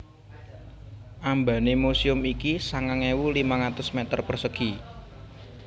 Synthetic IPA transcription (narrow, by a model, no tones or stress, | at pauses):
ʔambanemusiʊmikisaŋaŋewulimaŋat̪ʊsmɛt̪ərpərsəɡ̥i